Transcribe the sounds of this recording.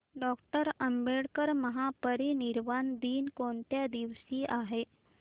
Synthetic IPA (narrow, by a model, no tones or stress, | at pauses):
ɖɔk̚ʈəɾəmbeɽkəɾməɦapəɾiniɾʋand̪iːnkoɳt̪jad̪iʋsiʔaɦe